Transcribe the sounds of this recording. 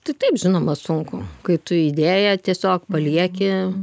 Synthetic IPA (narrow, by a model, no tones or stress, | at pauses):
t̪ɐɪt̪ɐɪpʒʲɪnoːmɐsʊŋkʊkɐɪt̪ʊid̪ʲeːjɛt̪ʲiɛsʲoːkpɐlʲiɛkʲɪ